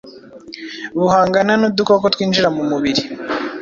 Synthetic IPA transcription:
βuhaːŋɡananud̪ukokot̪wiːnd͡ʒiɾamumuβiɾi

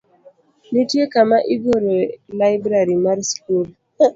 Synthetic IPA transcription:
nitjekamaʔiɡoɾolaɪbɾaɾimaɾskul

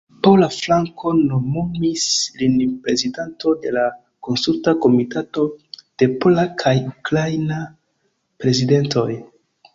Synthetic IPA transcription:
polaflaŋko̞nomomislinpɾe̞zidanto̞de̞la | ko̞nsultako̞mitato̞d̥e̞po̞lakʰajukɾajna | pɾe̞zide̞nto̞j

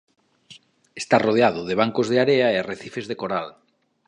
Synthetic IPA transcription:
est̪aroð̞eaðʊðeβ̞aŋkozðeaɾeaereθifezðekoɾal

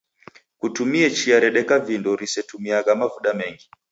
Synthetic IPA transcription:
kutumiɛt͡ʃiaɾɛɗɛkavindɔɾisɛtumiaɣamavuɗamɛŋɡi

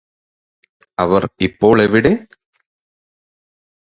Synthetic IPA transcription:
ɐʋɐɾipːoːɭeʋiɽeː

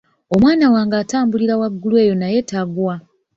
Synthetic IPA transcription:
o̞mwaːnawaːŋɡaːtaːmbuliɾawaɡːulwe̞ːjo̞naje̞taɡwa

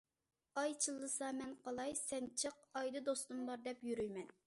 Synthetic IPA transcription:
ɑjt͡ʃʰɨlˠːɨsɑmɛnqɑlˠɑjsɛnt͡ʃʰəq̚ɑjd̪ɨd̪ost̪umlˠɑɾd̪ɛpjyɾyjmɛn

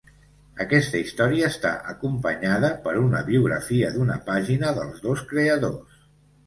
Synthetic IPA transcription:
əkɛst̪əist̪ɔɾiəːst̪a̰ʔəkumpəɲaðəpəɾunəβiuɣɾə̰fiəd̪unə̰paʒinəðəlˠzðoskɾeəðo̰s

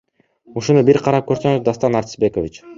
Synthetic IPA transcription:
uʃunubiɾqʰɑɾɑp̚køɾsøŋyzd̪ast̪ɑnɑɾt̪ɪ̥sbe̞kovʲit͡ʃ

